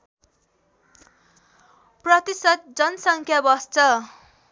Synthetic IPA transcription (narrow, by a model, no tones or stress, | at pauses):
prʌt̪isʌt̪̚d͡zʌnʌsʌŋkʰjabʌst͡sʰʌ